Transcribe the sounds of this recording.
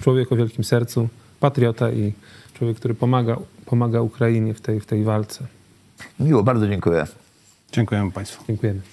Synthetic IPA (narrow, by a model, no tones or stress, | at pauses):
t͡ʂwɔvʲjɛkɔvjɛlkʲimsɛɾt̪su | pat̪ɾʲjɔt̪aʔit͡ʂwɔvjɛkːt̪uɾɘɔaɡapʰɔmaɡaukɾajiɲɛft̪ɛjft̪ɛjvalt̪sɛ | mʲiwɔbaɾd̪zɔd͡ʑɛŋkujɛ̰ | d͡ʑɛŋkujɛmpaj̃st̪fu̥ɛŋkujɛmɘ